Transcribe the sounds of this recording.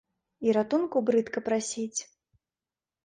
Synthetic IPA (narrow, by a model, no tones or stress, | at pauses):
iɾat̪unkubɾɨt̪kɐpɾasʲit͡sʲ